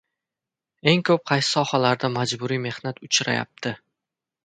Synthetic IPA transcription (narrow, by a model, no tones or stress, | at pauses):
e̞ŋkʰɵp̚qʰɑjsɪ̥sɒhalaɾd̪amad͡ʒbʊɾijme̞hnat̪ʊt͡ʃʰɾa̰ja̰p̚t̪ʰɪ